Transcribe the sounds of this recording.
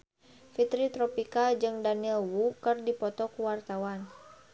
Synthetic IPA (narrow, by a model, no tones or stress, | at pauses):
fit̪ɾit̪ɾɔpikad͡ʒɨŋdaniɛlwukɨrdipɔt̪ɔkuwart̪awan